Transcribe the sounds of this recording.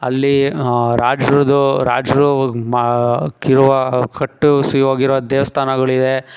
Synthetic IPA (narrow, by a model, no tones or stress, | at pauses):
ɐ̰lːiɾaːd͡ʒɾɐd̪uɾaːd͡ʒɐɾu | iɾuʋɐkʰɐʈːusiʋaːɡiɾuʋɐd̪ɛːʋɐst̪ʰaːnɐɡɐɭid̪e